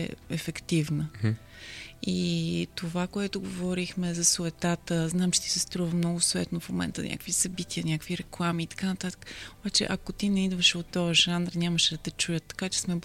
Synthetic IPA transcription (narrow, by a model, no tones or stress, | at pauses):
ɛɛfɛkt̪ivnə | it̪ovakoɛt̪ʊɡovɔɾixmɛzɐsoɛt̪at̪əznamt͡ʃɛ̥t̪i̥sɛst̪ɾuvəmnɔɡʊsoɛ̰t̪nofmomɛ̰nt̪ə̰nʲʔa̰kəkvisɐbit̪iənʲakviɾɛklˠamiːt̪ɐ̥kanɐt̪at̪ə̥kəobat͡ʃɛ̰ʔɐkot̪inɛid̪vəʃɛot̪ːɔəʒanɾnʲaməʃɛd̪ɐt̪ɛt͡ʃujət̪ːɐ̥kat͡ʃɛ̥smɛ